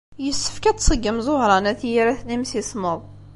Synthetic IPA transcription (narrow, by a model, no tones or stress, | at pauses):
jəsːə̥fkæt̪sˤəɡːəmzˤohɾˤɑnæθjiɾæθnimsisˤməðˤ